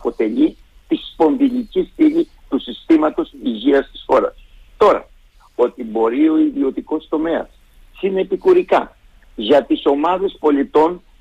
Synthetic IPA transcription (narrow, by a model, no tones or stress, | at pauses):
po̞t̪e̞ʎi | t̪ispo̞nðiʎicist̪iʎi | t̪usist̪imɐt̪o̞siʝiɐst̪i̥sxo̞ɾɐ̰s | t̪o̞ɾɐ̰ | o̞t̪ibo̞ɾio̞iðio̞t̪iko̞st̪o̞me̞ɐ̰sː | inepikuɾikɐ | ʝɐt̪iso̞mɐðe̞spo̞lit̪o̞n